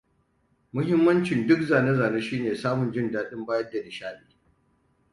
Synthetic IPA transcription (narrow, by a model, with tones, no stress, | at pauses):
mʊ˦ɦɪ˦mːɐ˦nt͡ʃɪ˨ndʊ˦kzaː˨ne˦zaː˨neː˦ʃiː˦neː˨saː˦mʊ˨nd͡ʒɪ˦ndaː˦ɗɪ˦mbaː˦jɐ˦dːa˨dɪ˨ʃaː˦ɓiː˦